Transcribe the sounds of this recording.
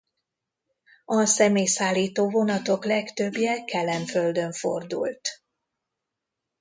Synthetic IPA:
ɒsɛmeːjsaːlːiːt̪oːvo̞nɒt̪o̞klɛkt̪øbjɛkɛlːɛɱfø̞ld̪ø̞ɱfo̞̰rd̪ṵlt̪

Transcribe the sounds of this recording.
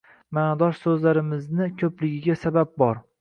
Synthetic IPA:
mand̪ɒʃsɵzlaɾɪmɪznɪkʲʰɵplɪɡʲɪɡʲasabab̚bɒɾ

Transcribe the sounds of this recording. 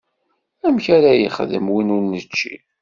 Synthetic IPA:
æmçæɾæjə̰χəðə̰mwinʊɾnət͡ʃːḭ

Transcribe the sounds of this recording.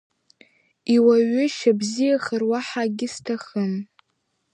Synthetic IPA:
iwaɥʏʃabzijaχərwaħaɡʲɪstʰaχən

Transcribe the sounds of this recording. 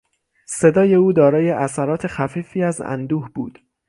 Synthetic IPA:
se̞d̪ɒːje̞uːd̪ɒːɾɒːje̞ʔæsæɾɒːt̪ʰe̞xæfiːfiːæzæ̰nd̪uːhbuːd̪̥

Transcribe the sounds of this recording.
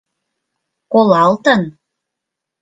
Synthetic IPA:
kolɑlˠt̪ɤn

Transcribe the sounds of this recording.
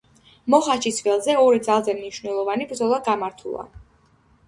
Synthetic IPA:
mɔχaʃisvɛlˠzɛɔɾid̪zalˠzɛmniʃvnɛlˠɔvanibɾd̪zɔlˠaɡamaɾt̪ʰṵlˠa̰

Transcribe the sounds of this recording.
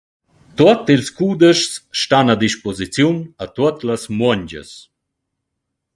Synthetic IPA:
t̪uɔt̪ilskuːd̪əʃsːt̪anad̪iʃpɔzit͡sjunat̪uət̪ləsmwɔɲd͡ʑə̰s

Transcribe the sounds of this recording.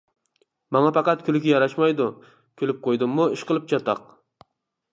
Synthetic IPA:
mɑŋɑpɑqɑt̪kʲʰylɪkʲʰijɑɾɑʃmɑjd̪u | kʲʰølyp̚qʰojd̪ɨmːuiʃqəlˠɨp̚t͡ʃʰɑt̪ɑq

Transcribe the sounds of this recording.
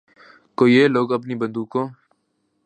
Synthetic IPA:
koːieːloːɡəpniːbə̃nd̪uːkõː

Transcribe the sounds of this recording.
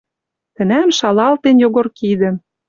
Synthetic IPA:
t̪ə̆næmʃɑlɑlt̪enjoɣorkid̪ə̆m

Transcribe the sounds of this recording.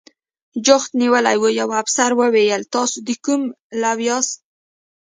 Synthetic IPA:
d͡ʒʊxt̪niwəlajwujawabsaɾwəwejəlt̪ɑsod̪əkum | lawjɑst̪̚

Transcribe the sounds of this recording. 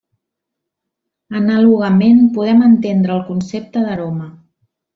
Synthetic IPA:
ənəluɣ̞əmenpuð̞ɛmənt̪end̪ɾəːlˠkunsep̚t̪əðəɾomə

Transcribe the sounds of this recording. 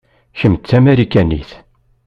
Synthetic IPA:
çəmt̪ːæmæɾikːænːḭθ

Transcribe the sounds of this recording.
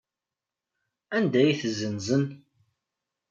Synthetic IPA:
ænd̪æjiθzːənzən

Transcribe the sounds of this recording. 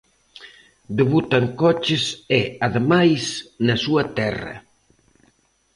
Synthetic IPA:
d̪eβut̪ɐŋkɔt͡ʃɪsɛaðemajsnɐsuɐt̪ɛrɐ̰

